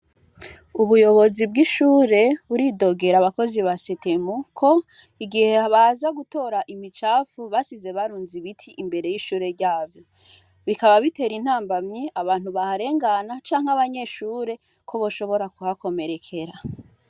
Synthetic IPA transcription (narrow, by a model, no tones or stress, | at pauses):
uβujo̞βo̞zib̚ɡiʃuːɾe̞βuɾido̞ɡe̞ɾaβako̞ziβasetemukʰo̞ | iɡihe̞aβazaɡuto̞ːɾaʔimit͡ʃaːfuβasize̞βaɾuːnziβitʰiʔːmbe̞ɾe̞jiʃuːɾe̞ɾɟaːvjo | βikaβaβite̞ːɾin̥haːmbamɲeaβaːn̥huβahaɾe̞ːŋɡanat͡ʃaːŋ̥haβaɲe̞ʃuːɾe̞ | kʰo̞βoʃo̞βo̞ɾakuhako̞me̞ɾe̞kʰe̞ɾa